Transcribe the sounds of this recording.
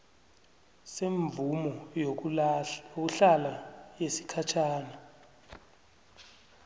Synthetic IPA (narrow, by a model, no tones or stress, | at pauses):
seɱvumɔ | ok̬uɬalajesi̥kʰat͡ʃʰaːna